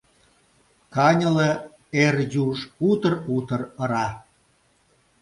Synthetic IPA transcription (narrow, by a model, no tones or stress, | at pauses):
kɑnʲə̆lĕ | erjuʃut̪ərut̪ə̆rə̆ɾɑ